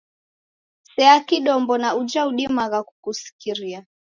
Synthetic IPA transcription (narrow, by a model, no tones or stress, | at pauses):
sɛakiɗɔmbɔnaud͡ʒauɗimaɣakukusi̥kiɾia